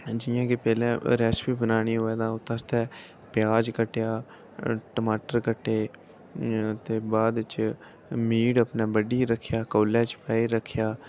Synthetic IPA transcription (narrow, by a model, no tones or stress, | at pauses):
d͡ʒɪjãːkepɛːlɛ̃ːɾɛːspiːbənaːɽ̃iːɦoːɛːd̪ãːoːt̪ast̪ɛː | pɪjaːd͡ʒkəʈjaː | ʈəmaːʈəɾkəʈːeː | t̪eːbaːd̪t͡ʃ | miːɽəpnɛ̃ːbəɖiːɾəkʰːjaːkoːlɛ̃ːt͡ʃpaːiːɾəkʰːjaː